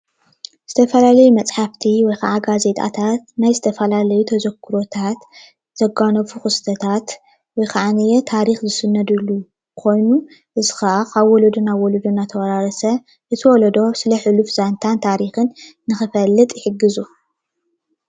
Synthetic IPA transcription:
z̥ɨt̪ʰɐfɐlalɐjumɐt͡sʼħaft̪ʰiwɔjka̰ʕaɡaze̞t̪ʼa̰t̪ʰat̪̚najzɨt̪ʰɐfɐlalɐjut̪ʰɐzɐɡʰɨɾo̞t̪ʰat̪ | z̥ɐɡanɐfuxɨst̪ʰɐt̪ʰat̪ | wɔjkʰaʕanijɛt̪ʰaɾixzɨsɨnːɐd̪ɨlːu | kʰo̞jnu | ʔɨzɨxaʔakaβwɔlɐd̪unaβwɔlod̪unat̪ʰɐwɾaɾɐsɐ | ʔɨt̪ʰɨwɔld̪o̞sɨlɐħɨlufz̥ant̪ʰant̪ʰaɾixɨnː | ɨxɨfɐlːɨt̪ʼħɨɡːɨzu

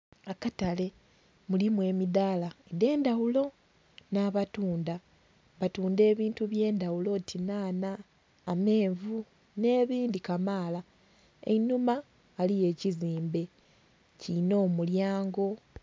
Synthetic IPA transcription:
akatale̞ | mulimwe̞ːmidaːlaede̞ːndawulo̞ | naːβatuːnda | βatuːnde̞ːβiːntuβje̞ːndawulo̞tinaːnaː | me̞ːɱvu | ne̞ːβiːndikamaːla | ḛnumaː | lije̞ːciziːmbe̞ | cino̞ːmuljaːŋɡo̞

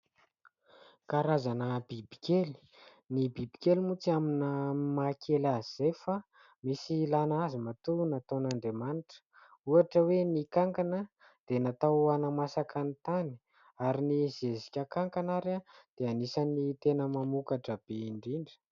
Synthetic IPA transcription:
kaɾazanəbibi̥kʲeli̥ | nibibikʲelimut͡saminəmakʰelazizejfa | misilanazimat̪unat̪anaɳɖ͡ʐemaniʈ͡ʂə̥ | uaʈ͡ʂəwenikaŋkanə | d̪̥enat̪awanamasakanit̪ani̥ | aɾinizezikʲəkaŋkanaɾad̪̥eanisanit̪enəmamukaʈ͡ʂəb̥eiɳɖ͡ʐiɳɖ͡ʐə̥

